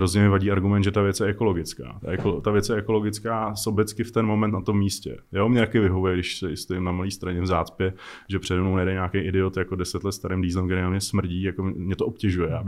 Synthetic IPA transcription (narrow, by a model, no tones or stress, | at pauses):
ɾozɲɛmɪvaɟiːaɾɡumɛnd̪ʒɛt̪avjɛt͡sjɛʔɛko̞loɡɪt͡ska̰ːt̪a̰ʔɛkot̪avjɛt͡sjɛʔɛko̞lo̞ɡɪt͡skaːsobɛt͡skɪft̪ɛnmo̞mɛnt̪nat̪o̞mːiːscɛ̰jo̞mɲɛt̪akɪvɪɦovujɛɡdɪʃsɛɪst̪ojɪmnamaliːst̪ɾaɲɛvzaːtt͡spjɛʒɛpr̥ɛdɛmnownɛdɛɲaːkɛjʔɪdɪot̪jakodɛsɛt̪lɛt̪st̪aɾɪmdiːzlɛmkt̪ɛɾenamɲɛsmr̩ɟiːjakomɲɛt̪oʔopcɛʒujɛabɪ